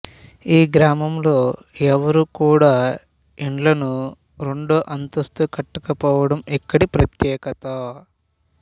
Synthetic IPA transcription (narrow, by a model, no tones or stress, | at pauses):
iːɡɾaːmɐmlo̞ː | ɛʋɐɾukuːɽaː | iɳlɐnu | ɾe̞ɳɖoːʔɐnt̪ɐst̪ukɐʈːɐkɐpɔːʋɐɽɐmikːɐɽipɾɐt̪jɛːkɐt̪aː